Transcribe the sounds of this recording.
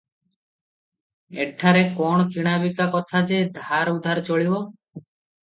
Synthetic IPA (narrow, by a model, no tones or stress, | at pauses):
ḛʈʰːaɾekɔɳ̃ɔkiɽ̃abikakɔt̪ʰad͡ʒed̪ʱaɾud̪ʱaɾt͡ʃɔɭibɔ